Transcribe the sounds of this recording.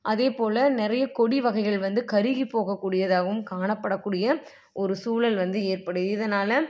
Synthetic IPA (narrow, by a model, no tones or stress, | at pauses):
ʔɐðeːpoːlɐnɪɾɐjɐkɔɽiʋɐɣɐɪɣɐɭʋɐnd̪ɯkɐɾɪɣipːoːɣɐkːuːɽɪjɐðaːɣɐʋɯmkaːɳɐpːɐɽɐkːuːɽɪjɐ | ɔɾɯsuːlɐlʋɐnd̪ɯeːɾpɐɽɯðɪðɐnaːlɐ